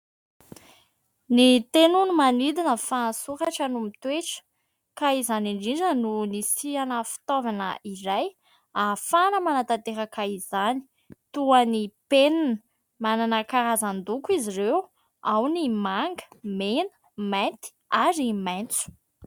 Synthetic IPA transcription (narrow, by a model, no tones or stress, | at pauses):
nit̪enunumanid̪inəfansuɾaʈ͡ʂənumit̪weʈ͡ʂə̥ | kaizaniɳɖ͡ʐiɳɖ͡ʐənunisianəfi̥t̪ovanə̰ʔiɾaj | afanəmanat̪at̪eɾəkaizani̥ | t̪uanipenin | mananəkaɾazand̪ukiziɾew | awnimaŋɡə̥menə̥ | majnt̪i̥aɾimajnt͡su̥